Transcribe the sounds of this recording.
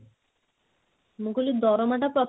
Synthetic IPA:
mukulid̪ɔɾɔmaʈapɾɔt̪

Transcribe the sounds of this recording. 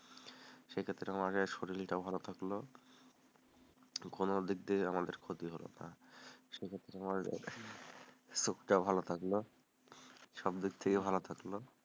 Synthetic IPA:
ʃekʰet̪ːɾeamaɾʃoɾilʈabʱalot̪ʰaklo | konod̪ik̚d̪eamad̪eɾkʰot̪iɦolo̰na̰ʃekʰet̪ːɾeamaɾ̰ | sokʈabʱalot̪ʰaklo | ʃɔb̚d̪ik̚t̪ʰekebʱalot̪ʰaklo

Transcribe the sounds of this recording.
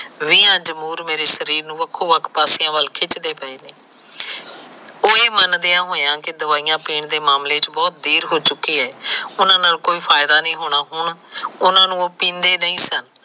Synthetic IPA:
ʋiːãːd͡ʒəmuːɾmeːɾeːsəɾiːɾnũːʋəkʰːoːʋəkʰpaːsɪjãːʋəlkʰɪt͡ʃd̪eːpəeːneː | oːeːmənd̪eːãːɦoːjãːkɪd̪əʋaːiːjãːpiːɳd̪eːmaːmleːt͡ʃbɔːt̪̚d̪iːɾɦoːt͡ʃʊkːiːɦɛːʊnãːnaːlkoːiːpʰaːɪd̪aːnĩːɦoːɽ̃aːɦʊɳʊnãːnũːoːpĩːnd̪eːnəĩːsən

